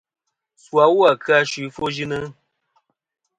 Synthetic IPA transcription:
swa˨˦wu˦a˨kɨ˦a˧ʃwi˨˦fo˦ʒi˦nɨ˦

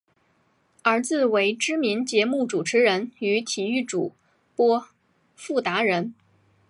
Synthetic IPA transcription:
ə˞˧˥t͡sɹ̩˥˩we˧˥ɪʈ͡ʂɻ̩˥mi˧˥nt͡ɕjɛ˧˥mu˥˩ʈ͡ʂu˨˩ʈ͡ʂʰɻ̩˧˥ɻə˧˥ny˧˥t̪ʰi˨˩y˥˩ʈ͡ʂu˨˩ | pwɔ˥ | fu˥˩t̪a˧˥ɻə˧˥n

